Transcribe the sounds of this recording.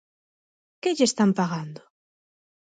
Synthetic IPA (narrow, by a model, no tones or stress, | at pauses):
kɪʎest̪ampaɣand̪ʊ